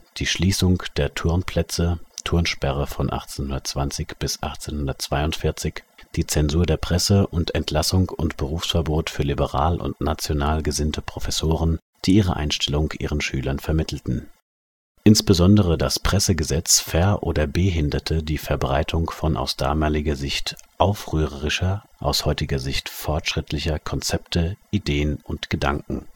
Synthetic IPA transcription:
d̥iːʃliːsʊŋd̥eːɐtʰʊɐnpʰl̥ɛt͡sətʰʊɐnʃpɛʁəfɔnʔa̰χt͡seːnhʊndɐtt͡sv̥ant͡sɪçb̥ɪsʔa̰χt͡seːnhʊndɐtt͡sv̥aɪʊntfɪɐt͡sɪçd̥iːt͡sɛnzuːɐdeːɐpʁ̥ɛsəʔʊntʰɛntʰlasʊŋʊ̰ntb̥əʁuːfsfɛɐboːtfyːɐlibəʁa̰ːlʔʊ̰ntnat͡sjonaːlɡəzɪntʰəpʁ̥ofɛsoːʁ̞ən | d̥iːʔiːʁ̞ə̰ʔa̰ɪnʃtʰɛlʊŋkʔḭːʁənʃyːlɐnfɛɐmɪtʰl̩tn̩ | ʔɪnsb̥əzɔndəʁ̞ədaspʁ̥ɛsəɡəzɛt͡sfɛɐʔoːdɐbeːɦɪndɐtʰədiːfɛɐbʁaɪtʰʊŋfɔnʔa̰ʊsd̥a̰ːmaːlɪɡɐzɪçtʔaʊfʁyːʁəʁɪʃɐ | ʔa̰ʊshɔʏtɪɡɐzɪçtfɔɐtʃʁ̥ɪtʰlɪçɐkʰɔnt͡sɛptʰəʔideːənʊntɡ̥əda̰ŋkŋ̩

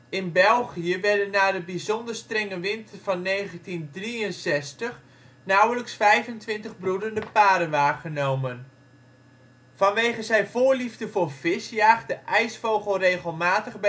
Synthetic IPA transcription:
ɪnbɛlˠχijəʋɛɹdənːaːdəbizɔndəɹstrɛŋəʋɪntəvɑnːejχəntindriənsɛstəχ | nʌwələksfɛjvəntʋɪntəχbrudəndəpaːdənʋaːχənowmən | vɑnʋejχəzɛjvʊːɹlivdəvʊːɹvɪsjaːχdəʔɛjsfowχəlˠrejχəlˠmaːtəχb

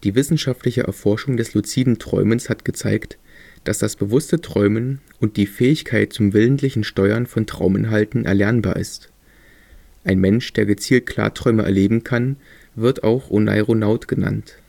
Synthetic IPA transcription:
d̥iːvɪsn̩ʃaftlɪçəʔɛ̰ɐfɔɐʃʊŋdɛslut͡siːdn̩tʁ̥ɔ̰ʏmənshatɡ̥ət͡saɪkt | d̥asd̥asb̥əvʊstətʁ̥ɔʏmən | ʊnt̚d̥iːfɛːɪçkʰaɪt̚t͡sʊmvɪləntlɪçn̩ʃtɔʏɐnfɔntʁ̥a̰ʊmɪ̰nɦaltn̩ʔɛ̰ɐlɛɐnba̰ːɐɪ̰st | ʔaɪnmɛnʃd̥eːɐɡət͡siːlt̚kʰl̥a̰ːɐtʁ̥ɔʏməʔɛ̰ɐleːbm̩kʰan | vɪɐta̰ʊxʔona̰ɪʁonaʊtɡ̥əna̰nt

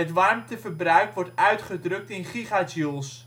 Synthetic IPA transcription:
ətʋɑrmtəvərbrœɥkʋɔrtœɥtχədrɵk̚tɪnχiχasjulˠs

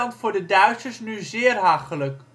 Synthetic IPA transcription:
ɑntfʊːɹdədœɥtsəɹsnyzɪːrɦaːχələk

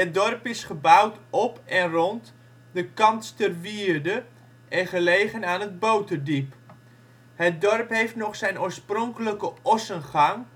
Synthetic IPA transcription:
ɦət̚dɔrpɪsχəbawtɔpɛnrɔnt | dəkɑntstərʋiərdə | ʔɛnχəlejχənaːnəd̚bowtədip | ɦət̚dɔrpɦejftnɔχsɛjnuːəsprɔŋkələkəɔsənχɑŋ

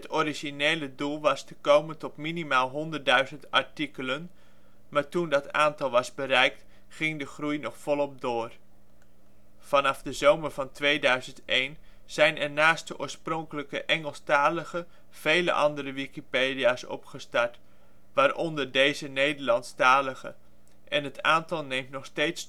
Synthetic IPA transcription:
ɦətʰɔɾiʒinejlədulˠʋɑstəkowməntɔtminimaːlˠɦɔndərdœɥzəntɑ̰ɹtikələn | maːɹtundɑta̰ːntɑlˠʋɑzbəɾɛjk̚t | χɪŋdəχrujnɔχfɔlˠɔp̚doːr | v̥ɑnɑfdəzowməɹvɑntʋejdœɥzəntejn | z̥ɛjnɛɹnaːstdəʔʊ̰ːɹsprɔŋkələkəʔɛŋəlˠstaːləχə | v̥ejlə̰ʔɑ̰ndəɾəʋikipeːdiaːsɔ̰pχəstɑɹt | ʋaːɾʔɔndəɹdejzənejdəɹlɑntstaːləχə̰ | ʔɛnɦətaːntɑlˠnejmtnɔχstejts

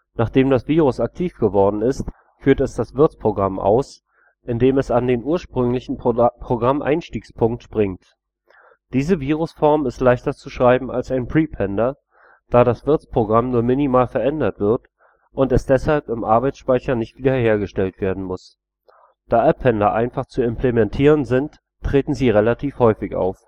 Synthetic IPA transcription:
naːχd̥eːmdasv̥iːʁ̞ʊsak̚tʰiːfɡ̥əvɔɐdn̩ɪst | fyːɐtɛsd̥asv̥ɪɐt͡spʁ̥oɡʁamʔa̰ʊs | ʔɪndeːmɛsandeːnʔuːɐʃpʁ̥ʏŋlɪçn̩pʁ̥oɡʁamʔa̰ɪnʃtiːkspʰʊŋk̚tb̥ʁɪŋt | d̥iːzəviːʁʊsfɔɐmɪstlaɪçtɐt͡suʃʁ̥aɪbm̩a̰lsaɪnpʁ̥iːpʰɛndɐ | d̥aːɾasv̥ɪɐt͡spʁ̥oɡʁamnuːɐmɪnimaːlfɛɐʔɛndɐtv̥ɪɐt | ʔʊntɛsd̥ɛshalpɪmʔaɐbaɪsʃpaɪçɐnɪçtv̥iːdɐheːɐɡəʃtɛltv̥eːɐdn̩mʊs | d̥aːʔɛpʰːɛndɐʔaɪnfaχt͡suɪmplemɛntʰiːʁ̞ənzɪntː | ʁ̥eːtn̩ziːʁelatʰiːfhɔʏfɪçʔa̰ʊf

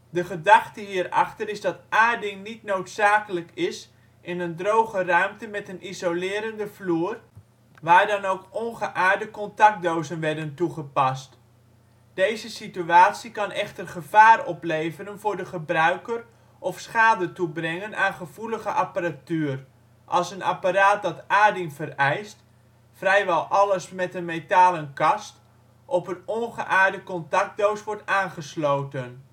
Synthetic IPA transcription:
dəχədɑχtəɦiːəɾɑ̰χtəɾɪzdɑtʔaːdɪŋnitnowtsaːkələkɪs | ʔɪnəndrowχərœɥmtəmɛtənʔizolɪːɾəndəfluːr | ʋaːɹdɑnowkɔŋχəʔaːɹdəkɔntɑk̚dowzənʋɛɹdəntuχəpɑst | d̥ejzəsityaːtsikɑnʔɛχtərχəv̥aːrɔplejvəɾənvʊːɹdəχəbrœɥkər | ʔɔfsχaːdətubrɛŋənʔaːnχəv̥uləɣəʔapaɾatyːr | ʔɑlˠsəna̰paɾaːt̚dɑtaːdɪŋvərɛjst | frɛjʋɛlˠʔɑləsmɛtənmetaːlənkɑst | ʔɔpənɔnχəʔaːɹdəkɔntɑk̚dowsʋɔɹtaːnχəsloːwtən

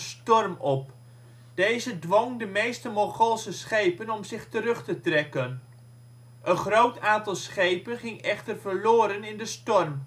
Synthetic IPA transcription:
stɔrmɔp̚ | d̥ejzədʋɔŋdəmejstəmɔχɔlˠsəsχejpənɔmzɪχtəɾɵχtətrɛkən | ʔənχrowtaːntɑlˠsχejpənχɪŋɛχtərvəɹloːɾənɪndəstɔrm

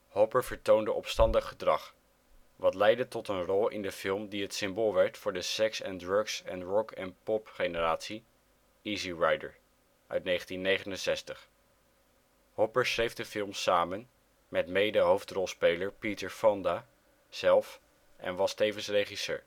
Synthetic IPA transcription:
hɔpəɹvəɹtowndəʔɔpstɑndəχədrɑχ | ʋɑtlɛjdətɔtənrɔlˠɪ̰ndəfɪlˠmdiɦətsɪmboːlˠʋɛɹtfʊːɹdəsɛksɛndɹøksɛ̰nrɔkʰɛnpɔpχenəraːtsi | iziɹɑjdə̰ɹ | ʔœ̰ɥtnejχəntinːejχənənsɛstəχ | hɔpəɹsrejfdəfɪlˠmsaːmən | mɛtmejdəɦowftrɔlˠspejləɹpitəɹfɑnda | sɛlˠf | ʔɛ̰nʋɑstejvənsrejχisø̰ːɹ

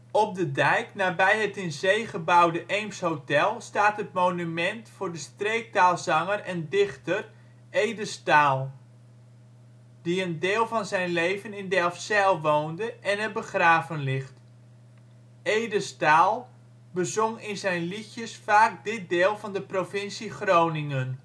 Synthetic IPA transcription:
ɔp̚dədɛjknaːbɛjətɪnzejχəbawdəʔejmshowtɛlˠstaːtɦətmownymɛntfʊːrdəstrejk̚taːlˠzɑŋərɛndɪχtər | ejdəstaːlˠ | d̥iəndɪːlˠvɑnzɛjnlejvənɪndɛlˠfsɛlˠʋoːndəʔɛnəbəχraːvənlɪxt | ejdəstaːlˠ | bəzʊŋɪnzɛjnliçjəsfaːk̚dɪt̚dɪːlˠvɑndəprofɪnsiχrownɪŋən

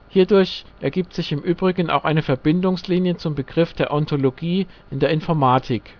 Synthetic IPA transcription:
hiːɐdʊɐçʔɛɐɡiːp̚tz̥ɪçɪmʔyːbʁɪɡən̩ʔa̰ʊxʔaɪnəfɛɐbɪndʊŋsliːnjət͡sʊmbəɡ̥ʁɪfd̥eːɐʔɔntʰoloɡiːʔɪndeːɐɪnfɔɐmaːtʰɪk

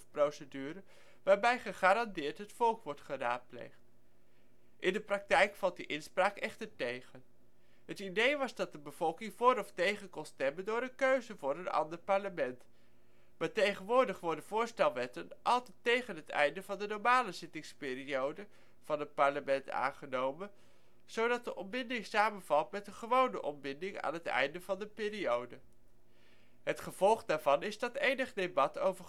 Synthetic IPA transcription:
prowsədyːɾə | ʋaːɹbɛjχəχaːɾɑndɪːɹtɦətfɔlˠkʋɔɹtχəraːt̚plḛjχt | ʔɪndəprɑk̚tɛjkfɑlˠt̚diʔɪnspraːkɛχtəɹtejχən | ɦətidejʋɑzdɑt̚dəbəv̥ɔlˠkɪŋvʊːɾɔftejχənkɔnstɛməndʊːɾənkøɥzəvʊːɾənɑ̰ndəɹpɑɹləmɛnt | maːɹtejχənʋʊːɹdəχfʊːɹdəvʊːɹstɛlˠʋɛtənʔɑlˠtɛtejχənɦətɛ̰jndəvɑndənɔɹmaːləzɪtɪŋspɪːriowdə | v̥ɑnɦət̚pɑɹləmɛnta̰ːnχənowmən | z̥owdɑt̚dəʔɔmbɪndɪŋsaːmənvɑlˠtmɛtənχəʋownə̰ʔɔmbɪndɪŋa̰ːnɦətɛ̰jndəvɑndəpɪːɾiowdə | ɦətχəv̥ɔlˠχdaːɹvɑnɪzdɑtejnəχdebɑtowvə

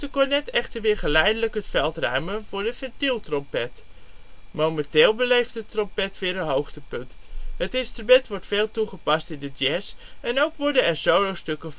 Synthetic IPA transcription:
təkɔnɛtɛχtəɹʋɪːɹχəlɛjdələkɦətfɛlˠtrœɥmənvʊːɹdəfɛtilˠtrɔmpɛt | mowmɛntɪːlˠbəlejftətrɔmpɛtʋɪːɹənɦowχtəpɵntɦətɪnstrymɛntʋɔɹtfeːlˠtuχəpɑstɪndədjɛsɛnowkʋɔɹdənɛɹzowlowstɵkə

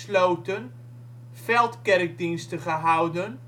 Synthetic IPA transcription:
slowtən | fɛlˠtkɛrk̚dinstəχəɦawdən

